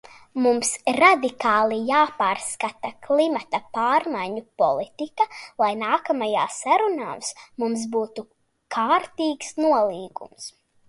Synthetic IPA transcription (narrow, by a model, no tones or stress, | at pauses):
mumsɾad̪ikaːlˠijaːpaːɾskat̪aklˠimat̪apaːɾmajɲupɔ̰lˠit̪ikalˠajnaːkamaja̰ːsaɾuna̰ːsmums̬buːt̪u | kʰaːɾt̪iːksnuɔlˠiːɡṵms